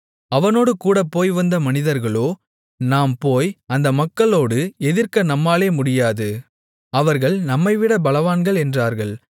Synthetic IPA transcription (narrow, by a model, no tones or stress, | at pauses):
ɐʋɐnoːɽɯkuːɽɐpːoːjʋɐnd̪ɐmɐnɪðɐɾɣɐɭoː | naːmpoːjɐnd̪ɐmɐkːɐɭoːɽɯɛðɪɾkɐnɐmːaːleːmʊɽɪjaːðɯ | ɐʋɐɾɣɐɭnɐmːɐɪʋɪɽɐbɐlɐʋaːnɡɐɭɛndraːɾɣɐɭ